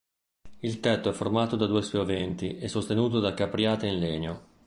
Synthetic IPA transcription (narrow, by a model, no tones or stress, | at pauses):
ilt̪ɛt̪ːoɛfːormaːt̪od̪ad̪uːespjovɛnt̪iɛsːost̪enuːt̪̬od̪akːapːɾjaːt̪einleːɲo